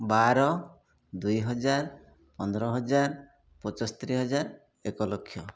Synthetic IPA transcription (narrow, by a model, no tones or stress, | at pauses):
baɾɔ | d̪ujɦɔd͡ʒaɾ | pɔnd̪ɾɔɦɔd͡ʒaɾ | pɔt͡ʃɔst̪ɾiɦɔd͡ʒaɾ | ekɔlokʰːjɔ